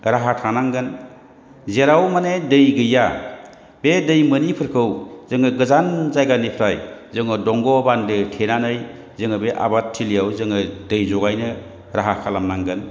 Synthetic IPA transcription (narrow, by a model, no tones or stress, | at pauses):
ɾaɦatʰanaŋɡɯn | zeɾawmanedɯjɡɯja | bedɯjmɯnipʰɯɾkʰɯwzɯŋɯɡɯzanzajɡanipʰɾajzɯŋɯdɔŋɡɔbandɯtʰenanɯj | zɯŋɯbeʔa̰batʰːilijawzɯŋɯdɯjzɔɡajnɯ | ɾaɦakʰalamnaŋɡɯn